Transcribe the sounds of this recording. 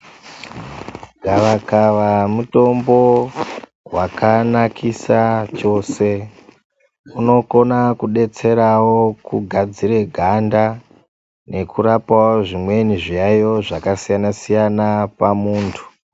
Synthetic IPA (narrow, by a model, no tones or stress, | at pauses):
ɡʱaʋakaʋamuto̞mbo̞ | wakanakʰisat͡ʃo̞se̞ | uno̞ko̞nakuɗe̞t͡se̞ɾawo̞kuɡʱad͡ziɾe̞ɡʱanda | ne̞kuɾapawoʐimwe̞niʐijajo̞ʐakasijanasijanapamuːntʰu̥